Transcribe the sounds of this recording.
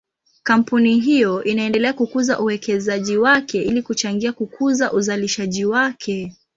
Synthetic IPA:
kam̩puniɦijɔʔinaɛndɛlɛakukuzaʔuwɛkɛzaʄiwakɛʔilikut͡ʃaŋɡiakukʰuzaʔuzaliʃaʄiwakʰɛ

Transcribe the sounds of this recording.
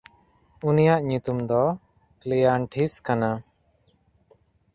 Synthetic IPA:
unijaʔɲut̪umd̪ɔ | klijaɳʈʰiskana

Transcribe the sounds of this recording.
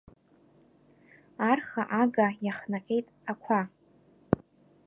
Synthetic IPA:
arχaʔaɡajaχnaqʲʼejtʼakʷʰa

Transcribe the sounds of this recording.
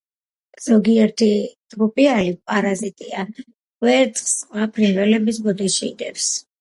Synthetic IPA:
z̥ɔɡiɛɾt̪ʰid͡ʒɡupʼialipʼaɾazit̪ʼia | vɛɾt̪ʼχsqʼwapʰɾinvɛlɛbis̬bɔd̪iʃid̪ɛfs

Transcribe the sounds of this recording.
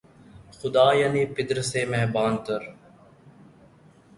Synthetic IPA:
xʊd̪aːjaːniːpɪd̪ɾseːmɛːbaːnt̪əɾ

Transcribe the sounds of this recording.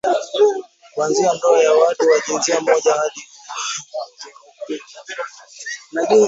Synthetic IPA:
kwanziam̩dɔajawatuwaʄinziam̩ɔʄahaɗi | naʄu

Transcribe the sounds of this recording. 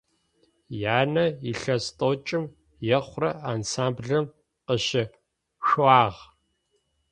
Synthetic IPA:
jaːnɐiɬɐstʼot͡ʃʼɪm | jɛχʷrɐaːnsaːmbɮɐm | qəʃɪ | xaːʁ

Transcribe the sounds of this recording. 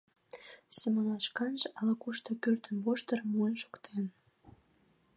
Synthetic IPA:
semonɑʃkɑnʒɑlɑkuʃt̪okørt̪ənβoʃt̪ərmuənʃo̥kt̪ʰen

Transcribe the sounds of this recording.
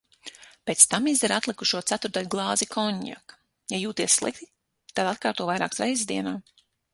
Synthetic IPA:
peːt̪st̪amizd̪ɛɾat̪lˠikuʃuɔt̪sæt̪uɾt̪alʲɡlˠɑːzikʰɔɲja̰k | jajuːt̪iɛsslˠḭk̚t̪i̥ | t̪ad̪at̪kaːɾt̪uɔvajɾa̰ːksɾɛjzzd̪iɛnaː

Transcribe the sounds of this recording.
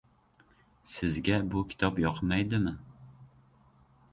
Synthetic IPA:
sɪzɡʲɛbukʲʰi̥t̪ʰɑpjɑqʰmɛjd̪ɪmɪ

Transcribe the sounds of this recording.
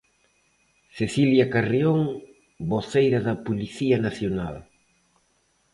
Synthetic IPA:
θeθiljakarioŋ | boθejɾɐðɐpuliθiɐnaθjona̰l

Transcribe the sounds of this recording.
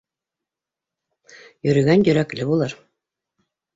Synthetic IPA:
jɵ̆ɾy̆ɡænjɵ̆ɾæklʲɘbulˠɤɾ

